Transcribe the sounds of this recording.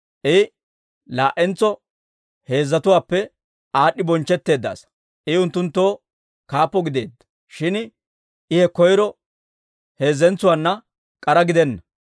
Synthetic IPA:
ʔɪ | laːʔɛnt͡sɔ | he̞ːzːɐt̪ʊwaːpːɛ | aːɗɪbɔnt͡ʃːɛt̪ːe̞ːd̪ːa̰ːs | ʔɪʊnt̪ːʊnt̪ːo̞ː | kaːpːɔɡɪd̪e̞̰ːd̪ːɐ̥ | ʃɪn | ʔɪhɛkɔjɾɔ | he̞ːzːɛnt͡sʊwanːɐ | kʼɐɾɐɡɪd̪ɛnːɐ

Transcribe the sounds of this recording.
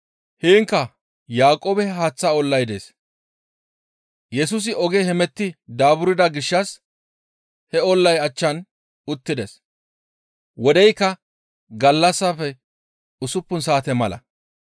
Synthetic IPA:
heːŋkːɐ | jaːkʼoːbɛɦaːt͡sːaɔlːɐjd̪e̞̰ːs | jɛsʊs̬ɪɔɡehɛmɛt̪ːɪd̪aːbʊɾɪd̪ɐɡɪʃːɐs | hɛɔlːɐjɐt͡ʃːɐn | ʊt̪ːɪd̪es | wɔd̪ɛjkːɐ | ɡɐlːɐsːafɛ | ʊsʊpːʊnsaːt̪ɛmɐlɐ̰

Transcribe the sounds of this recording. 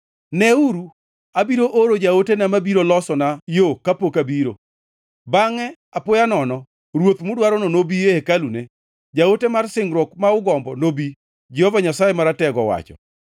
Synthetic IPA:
nɛuɾu | abiɾoʔoɾod͡ʒaotenamabiɾolɔsɔnajokapokabiɾo | baŋɛ | apʊjanɔnɔ | ɾwot̪mʊdwaɾɔnonobieekalune | d͡ʒaotemarsɪŋɾwɔkmaʊɡɔmbɔnobi | d͡ʒɛhɔvaɲasajemaɾatɛɡɔwa̰t͡ʃɔ̰

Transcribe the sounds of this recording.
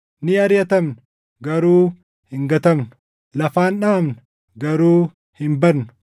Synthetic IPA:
nɪɐɾjɐt̪ɐmn | ɡɐɾuː | hɪŋɡɐt̪ɐmnʊ | lɐfaːnᶑaːmnʊ̥ | ɡɐɾuː | hɪmbɐɾnʊ̥

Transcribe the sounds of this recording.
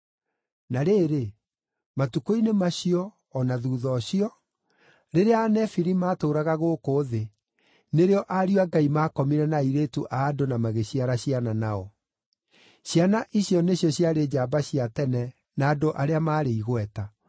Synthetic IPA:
naɾeːɾe | matukoinemaɕiɔː | naðuːðɔɕiɔ | ɾeɾeanɛfiɾimaːtoːɾaɣaɣoːkoːðe | neɾeɔʔaɾiɔaɡaimakɔmiɾɛnaiɾetuʔaːdonamaɣeɕiaɾaɕiananaɔ | ɕjanaʔiɕjɔneɕjɔɕjaɾeːd͡ʑabaɕiatɛnɛ | naːdoʔaɾeamaːɾeiɣwɛta

